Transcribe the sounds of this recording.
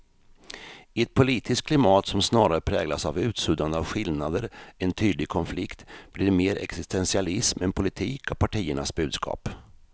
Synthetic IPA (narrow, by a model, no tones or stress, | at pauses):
ɪɛt̪̚pʰʊliːt̪ʰɪskʰlɪmɑːt̪sɔmsnɑːɾaɾəpʰɾɛːɡlasa̰vʉ̟ːt̪sʉːd̪and̪əavɧɪlnad̪əɾɛnt̪ʰyːd̪lɪɡ̚kʰɔnflɪkt̪b̥liːɾmeːɾʔɛ̰ksɪst̪ɛnsɪalɪsmɛnpʰʊlɪt̪ʰiːkɔpʰaʈʰiːəɳasbʉ̟ːd̪skʰɑ̰ːp